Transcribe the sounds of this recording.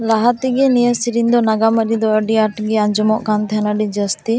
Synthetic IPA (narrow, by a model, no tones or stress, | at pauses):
laɦat̪iɡɛnijəsiɾiɲd̪ɔnaɡaməɾid̪ɔəɖiaʈɡɛand͡ʒɔmɔʔkant̪ʰɛanaɖid͡ʒəst̪i